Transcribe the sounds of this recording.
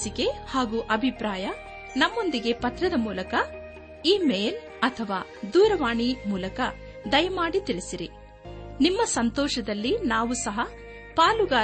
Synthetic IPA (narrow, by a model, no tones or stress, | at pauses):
sike̞haːɡuːʔɐbʱipɾaːjɐ | nɐmːo̞nd̪iɡe̞pɐt̪ɾɐd̪ɐmuːlɐkɐ | iːmeːl | ɐt̪ʰɐʋaː | d̪uːɾɐʋaːɳimuːlɐkɐ | d̪ɐjɐmaːɽit̪iɭisiɾi | nimːɐsɐnt̪ɔːʃɐd̪ɐlːinaːʋusɐɦɐ | paːluɡaː